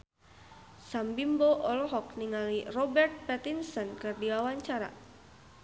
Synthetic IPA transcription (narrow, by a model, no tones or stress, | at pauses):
sambimboʔɔlɔɦɔk̚niŋalirɔbɛrt̪̚pɛt̪insɔnkɨrdiwawaɲt͡ʃaɾa̰